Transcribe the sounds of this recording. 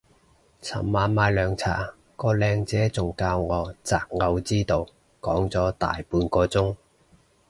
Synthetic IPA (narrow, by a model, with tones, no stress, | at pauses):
t͡sʰɐ̰˨˩mmaː˨˥nmaː˨˧jlœː˨˧ŋt͡sʰa̰ː˨˩ | kɔː˧lɛː˧ŋt͡sɛː˨˥t͡sʊ˨ŋkaː˧wŋɔː˨˧t͡saː˨˩k̚ŋɐ˧wt͡siː˥t̪o˨˧w | kɔː˨˥ŋt͡sɔː˨˥t̪a̰ː˨jpuː˧nkɔː˧t͡sʊ˥ŋ